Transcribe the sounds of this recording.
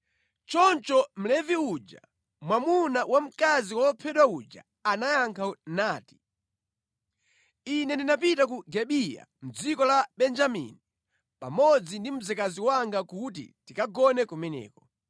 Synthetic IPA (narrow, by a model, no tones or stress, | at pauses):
t͡ʃɔnt͡ʃɔm̩lɛviud͡ʒa̰ | mwamunawam̩kaziwɔpʰɛɗwaud͡ʒa̰ | anajaŋkʰanaːti̥ | inɛndinapitak̬uɡɛɓija̰m̩d͡zikɔlaɓɛnd͡ʒamḭni | pamɔd͡zindim̩zɛkaziwaŋɡakut̬ḭtikaɡɔnɛkɔmɛnɛ̰ːkɔ